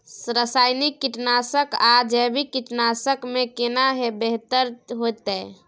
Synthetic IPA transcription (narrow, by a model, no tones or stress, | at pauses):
sɾəsaːɪnikːiʈnaːsəkad͡ʒɛbʱikiʈnaːsəkmẽkenaɦebeɦt̪əɾɦoːt̪ɛ